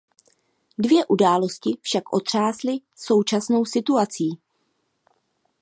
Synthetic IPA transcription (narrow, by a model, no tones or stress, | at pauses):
dvjɛʔudaːlo̞scɪfʃakʔo̞̰t̪r̝̥aːslɪso̞wt͡ʃasno̞wsɪt̪uat͡siː